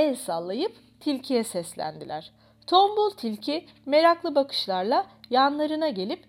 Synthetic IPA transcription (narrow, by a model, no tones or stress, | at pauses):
ɛlʲsalˠːajɯp | t̪ʰilʲcʰijɛsɛslʲæ̰nd̪ilʲæɾ̝̥ | t̪ʰombulˠt̪ʰilʲcʰi | me̞ɾaklˠɯbakʰɯ̥ʃlˠaɾlˠajanlˠaɾɯnaɟe̞lʲip